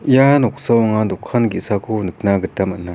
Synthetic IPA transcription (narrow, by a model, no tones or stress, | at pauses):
janoχsawŋand̪okʰanɡisakʰonək̚naɡət̪amə̰na